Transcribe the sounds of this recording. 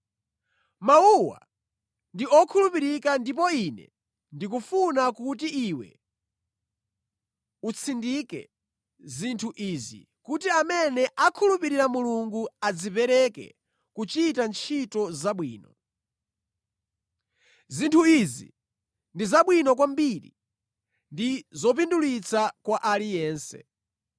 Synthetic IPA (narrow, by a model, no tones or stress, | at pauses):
mauwa̰ | ndiɔkʰulupiɾikandip̬ɔinɛ̰ | ndik̬ufunakut̬iiwɛ̰ | ut͡sʰindikɛ̰ | zintʰuʔizḭ | kutiamɛnɛʔakʰulupiɾiɾamuluŋɡuad͡zipɛɾɛkɛ̰ | kut͡ʃitant͡ʃʰitɔzaɓwiːnɔ̰ | zintʰuizḭ | ndizaɓwinɔkwambiɾḭ | ndizɔp̬indulit͡sʰakwaʔalijɛːnsɛ̰